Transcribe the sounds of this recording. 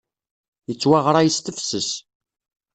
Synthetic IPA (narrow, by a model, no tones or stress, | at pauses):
jət͡sːwaʁɾˤajəst̪əfsəs